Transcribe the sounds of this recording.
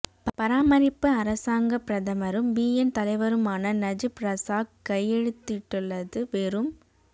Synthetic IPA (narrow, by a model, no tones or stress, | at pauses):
ppɐɾaːmɐɾɪpːɯɐɾɐsaːŋɡɐpɾɐðɐmɐɾɯmbiːjɛnt̪ɐlɐɪʋɐɾɯmaːnɐnɐd͡ʒɯpɾɐsaːkkɐjːɛɻɯt̪ːɪʈːɯɭːɐðɯʋeːɾɯm